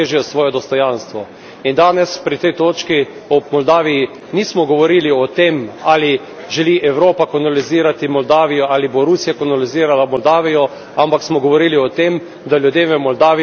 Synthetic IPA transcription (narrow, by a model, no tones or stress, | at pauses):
eʒijɔsʋɔːjɛd̪ɔst̪ɔjanst̪ʋɔ | ind̪aːnɛspɾit̪ɛjt̪oːt͡ʃki | ɔmɔld̪aːʋiji | niːsmɔɡɔʋɔɾiːliɔt̪emaːli | ʒɛliʔɛwɾoːpakɔnaliziːɾat̪imɔld̪aːʋijɔʔaːliboɾusijakɔnaliziːɾalamɔld̪aːʋijɔ | ampaksmɔɡɔʋɔɾiːliɔt̪em | d̪aljud̪jeːmʋɛmɔld̪aːʋi